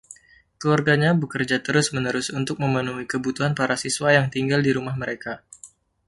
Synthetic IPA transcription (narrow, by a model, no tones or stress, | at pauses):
kəluarɡaɲabəkərd͡ʒat̪əɾʊsmənəɾʊsunt̪ʊk̚məmənuɦikəbut̪uɦanpaɾasiswajaŋt̪iŋɡaldiɾumahməɾeka